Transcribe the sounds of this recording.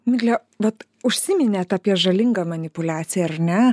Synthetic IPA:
mʲɪɡlʲɛ | ʋɐt̪ | ʊʃʲsʲɪmʲɪnʲɛːt̪ɑːpʲiɛʒɐlʲɪŋɡɐmɐnʲɪpʊlʲæːtsʲɪjɛɐɾnʲɛ

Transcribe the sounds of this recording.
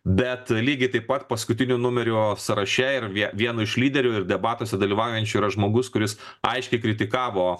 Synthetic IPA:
bʲɛt̪lʲiːɡʲɪt̪ɐɪpɐt̪pɐskʊt̪ʲɪnʲʊnʊmʲɛɾʲʊsɐɾɐʃʲɛɪɾʋʲiɛʋʲiɛnʊɪʃlʲiːd̪ʲɛɾʲʊɪɾd̪ʲɛbɑːt̪oːsʲɛd̪ɐlʲiːʋɑˑʊjɛnʲt͡ʃʲʊiːɾɐʒmoːɡʊskʊɾʲɪs | ɐ̰ɪʃʲkʲɛɪkɾʲɪt̪ʲɪkɑːʋoː

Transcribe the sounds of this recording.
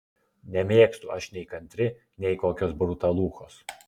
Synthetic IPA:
nʲɛmʲeːkst̪ʊɐʃnʲɛɪkɐnʲt̪ʲɾʲɪ | nʲɛɪkoːkʲoːs̬bɾʊt̪ɐlˠuːxoːs

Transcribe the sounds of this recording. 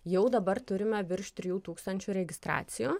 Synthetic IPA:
jɛʊd̪ɐbɐɾt̪ʊɾʲɪmʲɛʋʲɪɾʃt̪ʲɾʲɪjuːt̪uːkst̪ɐnʲt͡ʃʲuːɾʲɛɡʲɪst̪ɾɑ̰ːt̪sʲɪjuː

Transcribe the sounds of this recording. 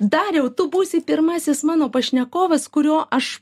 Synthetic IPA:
d̪ɑːɾʲɛʊt̪ʊbuːsʲɪpʲɪɾmɑːsʲɪsmɑːnoːpɐʃʲnʲɛkoːʋɐskʊɾʲoːʔɐʃ

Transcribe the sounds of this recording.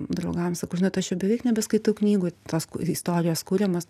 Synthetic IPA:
d̪ɾɐʊɡɐmsɐkɐʊʒɪnɐt̪ɐʃjʲɛbʲɛʋʲɛɪknʲɛbʲɛskɐɪt̪ɐʊknʲiːɡʊt̪oːskuɪst̪oːɾʲɪjoːskuːɾʲɛmɐs

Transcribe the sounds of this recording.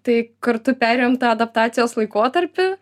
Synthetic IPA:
t̪ɐɪkɐɾt̪ʊpʲæːɾʲejomt̪ɑːɐd̪ɐp̚t̪ɑːt̪sʲɪjoːslˠɐɪkoːt̪ɐɾʲpʲɪ

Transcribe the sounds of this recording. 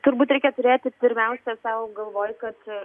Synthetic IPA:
t̪ʊɾbuːt̪ɾʲɛɪkʲɛt̪ʊɾʲeːt̪ʲɪpʲɪɾʲmʲɛʊsʲɛsɐʊɡɐlˠʋoːjkɐt̪

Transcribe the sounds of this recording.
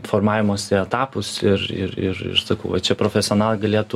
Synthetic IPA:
foːrmɑːʋʲɪmoːsɪɛt̪ɑːpʊsɪrɪ̰ɾɪ̰ɾɪ̰ɾsɐkɐʊʋɐt͡ʃʲɛpɾoːfʲɛsʲɪoːnɑːlˠɡɐlʲeːt̪u

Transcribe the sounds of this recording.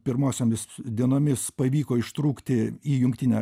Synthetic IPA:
pʲɪɾmoːsʲomʲɪsd̪ʲiɛnoːmʲɪspɐʋʲiːkoːɪʃt̪ɾuːkt̪ʲɪiːjʊŋk̚t̪ʲinʲɛ

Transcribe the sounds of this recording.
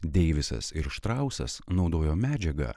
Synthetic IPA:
d̪ʲɛɪʋʲɪsɐ̰sɪɾʃt̪ɾɑˑʊsɐ̰snɒʊd̪oːjoːmʲæːd͡ʒʲɛɡɐ̰ː

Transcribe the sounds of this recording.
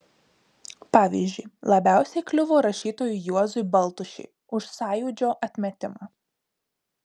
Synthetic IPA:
pɑːʋʲḭːzʲd͡ʒʲʊɪlˠɐbʲæˑʊsʲɛɪklʲʊʋoːɾɐʃʲiːt̪oːjʊjuɔzʊɪbɐlˠt̪ʊʃʲɛ̰ɪ | ʊʃsɑːjʊd͡ʒʲoːʔɐt̪ʲmʲɛt̪ʲɪmɑː

